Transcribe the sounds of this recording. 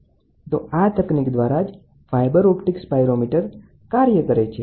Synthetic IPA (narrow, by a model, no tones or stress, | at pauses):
t̪oat̪əknikd̪ʋaɾad͡ʒ | fajbəɾɔpʈikspajɾomiʈəɾ | kaɾjəkəɾet͡ʃʰe